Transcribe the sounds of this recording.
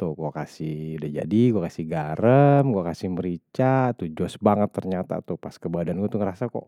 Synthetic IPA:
t̪uhɡuakasihudahd͡ʒa̰diɡuakasɪhɡaɾəmɡuakasɪhməɾit͡ʃat̪ud͡ʒɔsbaŋət̪ːərɲat̪a̰t̪upaskəbadanɡuat̪uŋəɾasakɔ̰ʔ

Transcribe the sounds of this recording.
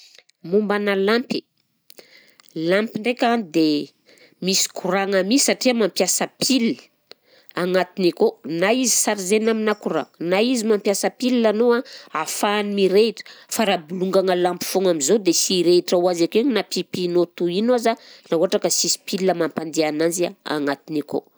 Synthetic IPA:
mumbanalampi | lampiɳɖ͡ʐekanid̪e | misi̥kʰuɾaŋamisaʈ͡ʂiamampjasəpʰilːə̥ | aŋat̪inikonaizi̥saɾizenaminakuɾa̰ŋənaizimampjasəpilianoaafaːnimiɾeiʈ͡ʂə̥faɾabuluŋɡaŋəlampi̥foŋamizod̪esiɾeʈ͡ʂawazakeɲnapipinot̪uinazanauaʈ͡ʂakəsisi̥piliəmampand̪eanand͡ʒiaa̰ŋat̪iniko̰

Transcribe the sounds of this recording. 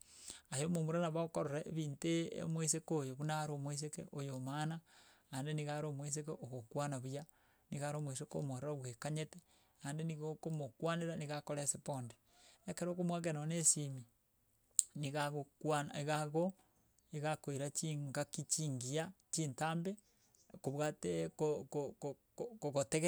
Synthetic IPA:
ajomomuɾanaβaokoɾoɾeβiːnteḛmwes̬ekojoβunaɾomwes̬ekḛʔojomana | andeniɣaɾomwes̬ekeʔoɣokwanaβuja | niɣaɾomwes̬eko̰moɾeɾaβwekaɲete | andeniɣokomokwaneɾaniɣakoɾeseponde | ekeɾokomwakenonesimi | niɣaɣokwanaeɣaɣo | eɣakoiɾat͡ʃiŋɡakit͡ʃiŋɡiat͡ʃiːntaːmbe | koβwatekokoko | koɣoteɣe

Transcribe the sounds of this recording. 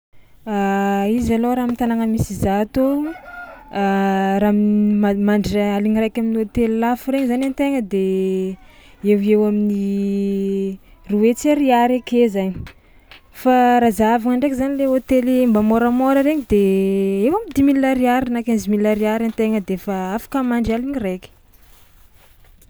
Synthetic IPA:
aizaloɾamint̪anaŋəmisizat̪o | aɾammamaɳɖ͡ʐaliŋirajkʲaminiot̪elilafuɾeɲizanant̪eŋəd̪e | ewewamini | ruet͡saɾiaɾekezaɲi̥ | faɾazavaŋaɳɖ͡ʐekizanileot̪elimbamoɾəmoɾəɾeŋid̪eewamind̪imilːaɾiaɾinakanzimiləɾiaɾant̪eŋəd̪efaafḁkəmaɳɖ͡ʐialiŋirajkʲi̥

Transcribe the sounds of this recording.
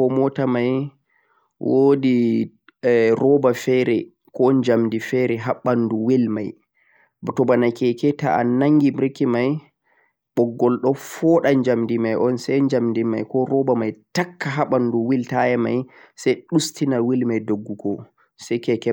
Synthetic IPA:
kɔmɔtamaj | wodi | ɾɔbafɛɾɛ | kɔnd͡ʒamdifɛɾɛɦaɓːanduwilma̰j | btɔbanajkɛkɛta̰a̰naŋɡimɾkːimaj | ɓɔɡːɔlɗɔfɔɗaɲd͡ʒamdimajʔɔnsɛjd͡ʒamdimajkɔɾɔbamajtakːaɦaɓanduwiltajɛma̰jsajɗustinawilmajdoɡːukɔ | sajkɛkɛ

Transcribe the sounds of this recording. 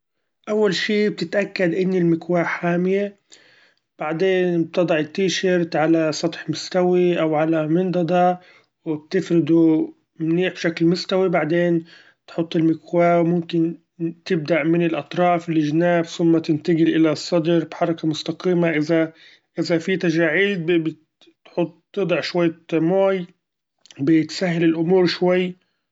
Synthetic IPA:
ʔawːalʃiːb̚t̪ɪt̪ʔakːad̪ʔɪnːɪlmɪkwaːħaːmje | b̥aʕd̪eːnb̚t̪ɨd̪ˤɑʕɪt̪ːiːʃaɾt̪ʕalasˤɑt̪ˤħmʊst̪awiʔawʕalamɪnd̪ɑd̪ˤɑ | wɪb̚t̪ɪfɾɪd̪u | mniːʕbʃaklmʊst̪awibaʕd̪eːn | t̪ħʊt̪ˤːɪlmɪkwaːwmʊmkɪn | t̪ɪb̚d̪aʔmɪnɪlʔɑt̪ˤɾˤɑːfɪlːiʒnaːbθʊmːat̪ɪnt̪aɡɪlʔɪlasˤːɑd̪ɾˤbħɑɾˤɑkamʊst̪ɑqiːmaʔɪza | ʔɪzafit̪aʒaːʕiːd̪̚bɪ | t̪ħʊt̪ˤːɨd̪ˤɑʕʃwajːmoːj | bɪt̪saɦːɪlɪlʔʊmuːɾʃwajː

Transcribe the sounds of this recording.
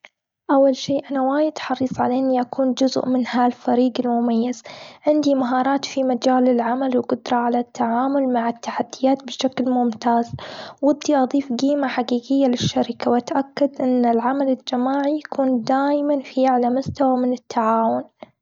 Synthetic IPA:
ʔawːalʃeːʔanawaːjɪd̪ħɑɾiːsˤʕa̰laʔɪnːiʔakʰuːnd͡ʒʊz̰ʔmɪnhalfaɾiːɡɪlmʊmajːaz̥ʕɪnd̪imaɦɑːɾˤɑːt̪fimad͡ʒaːlɪlʕamalwɡʊd̪ɾˤɑʕalat̪ʰːaʕaːmʊlmaʕɪt̪ːaħad̪ːɪjaːt̪̚bɪʃaklmʊmt̪aːzwʊd̪ːiʔɑðˤiːfɡiːmaħaqiːɡɪjːalɪʃːaɾɪkawʔat̪ʔakːad̪ʔɪnːɪlʕamalɪld͡ʒamaːʕijakʰuːnd̪aːjmanfiʕalamʊst̪awamɪnɪt̪ʰːaʕaːwʊn

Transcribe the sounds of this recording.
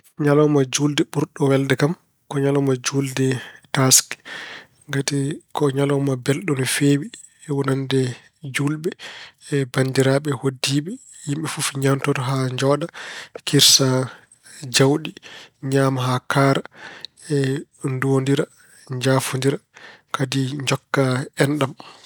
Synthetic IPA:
ɲalɔmad͡ʒuldɛɓuɾɗɔwɛldɛkam | kɔɲalɔmad͡ʒuldɛtaskɛ̥ | ŋɡatikɔɲalɔmabɛlɗɔnfewi | ɛwɔnandɛ | d͡ʒulɓɛ | bandiɾaɓɛhodːiɓɛ | jimɓɛfufɲamtɔtɔɦaɲd͡ʒɔɗakiɾsa | d͡ʒawɗiɲaːmaɦakaːɾa | ɛ | ndondiɾa | ɲd͡ʒafundiɾakadiɲd͡ʒɔkːaɛnɗam

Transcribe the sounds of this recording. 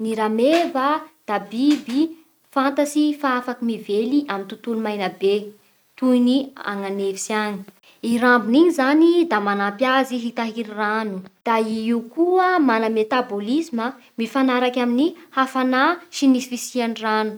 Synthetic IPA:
niɾamevad̪̥abibi | fant̪asifaafakimiveliʔamint̪ut̪ulumajnəbe | t̪ujnia̰ŋanevisiani̥ | iɾambiniɲizanid̪amanampjaziɦit̪aɦiɾiranud̪̥aiiukuəmanəmet̪abolizimə | mifanaɾakʲaminihafanaʃinisifisianiranu̥

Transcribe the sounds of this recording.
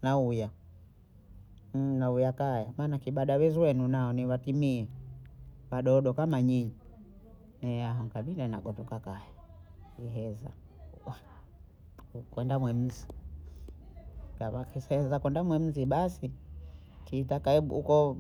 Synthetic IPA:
nauja | naujakajamaːnakiɓaɗawɛzwɛnunaɔniwatimiɛ | waɗɔɗɔkamaɲiɲi | nɛaɦaŋɡaɓilanaɡɔtukakajaiɦɛza̰ | ukwɛndamwɛm̩zi | kawaɛsɛzakwɛndamwɛm̩ziɓasi | tiːtakaɛɓṵṵkɔ

